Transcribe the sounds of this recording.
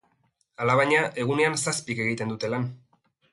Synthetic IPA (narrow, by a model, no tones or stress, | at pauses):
alaβ̞aɲaʔe̞ɣ̞une̞ansaspike̞ɣ̞it̪e̞nd̪ut̪e̞lan